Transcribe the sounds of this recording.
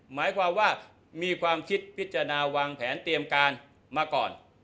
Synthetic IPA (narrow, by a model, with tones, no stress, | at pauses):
maː˩˦jkʰwaː˧mwaː˥˩ | miː˧kʰwaː˧mkʰi˦˥t̪̚pʰi˦˥t̪̚t͡ɕa˧a˧naː˧waː˧ŋpʰɛː˩˦nt̪i˧əmkaː˧n | maː˧kɔ̰ː˨˩n